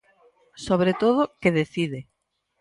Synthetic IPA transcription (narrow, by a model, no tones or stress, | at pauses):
soβ̞ɾet̪oðʊkeðeθiðɪ